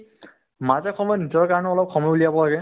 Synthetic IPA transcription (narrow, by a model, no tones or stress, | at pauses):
mazɛkʰɔmɔjnizɔɹkaɹɔnɛɔlɔp̚kʰɔmɔjlijabɔlaɡɛ